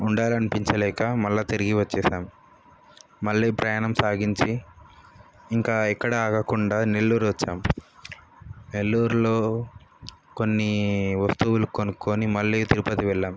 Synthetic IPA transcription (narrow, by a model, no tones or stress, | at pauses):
uɳɖaːlɐnipiɲt͡ʃɐlɛːkɐmɐlːɐt̪eɾiɡiʋɐt͡ʃːɛːʃaːm | mɐɭːiːpɾɐjaːɳɐmsaːɡiɲt͡ʃi | ŋkaːɛkːɐɽɐaːɡɐkuɳɖaːne̞lːuːɾuʋɐt͡ʃːa̰ːm | ne̞lːuːɾulo̞ː | ko̞nːiʋɐst̪uwulukonuko̞ːnimɐɭːiːt̪iɾupɐt̪iʋɛɭːaːm